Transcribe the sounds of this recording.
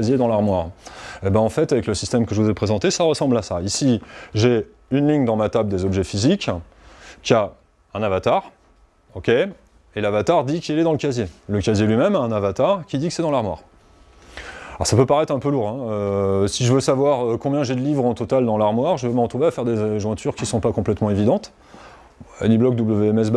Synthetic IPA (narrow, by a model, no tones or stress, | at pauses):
zjed̪ɑ̃laʁmwaʁebaɑ̃fɛt̪avɛkləsist̪ɛmkəʒəvuzɛpχezɑ̃t̪esaʁəsɑ̃blasaisiʒe | ynliɲd̪ɑ̃mat̪abld̪ezɔbʒɛfizikː | ia | ɛ̃navat̪aʁ | ɔkʲe | elavat̪aʁd̪ikʲilɛd̪ɑ̃ləkʲazjeləkʲazjelɥimɛmaɛ̃navat̪aʁkʲid̪ikəsɛd̪ɑ̃laʁmwa̰ʁ | ɔ̰ʁsapøpaʁɛt̪χɛ̃pøluʁɛ̃øsiʒəvøsavwaʁøkɔ̃bjɛ̃ʒed̪əlivʁɑ̃t̪ɔt̪ald̪ɑ̃laʁmwaʁʒəvøməʁət̪χuveafɛʁd̪eʒwɛ̃t̪ʰyʁkʲisɔ̃pakɔ̃plɛt̪mɑ̃evid̪ɑ̃t̪ | ɛ̰niblɔk̚d̪ubləveɛmɛs̬b